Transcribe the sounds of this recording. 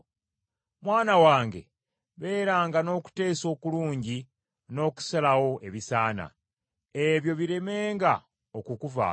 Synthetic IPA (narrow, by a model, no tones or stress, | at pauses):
mwaːnawaːŋɡe̞̰ | βe̞ːɾaːŋɡano̞ːku̥te̞ːso̞ːkuluːɲɟi | no̞ːku̥salawo̞ʔe̞βisaːna̰ | e̞βjo̞βiɾe̞me̞ːŋɡa | okukuva̰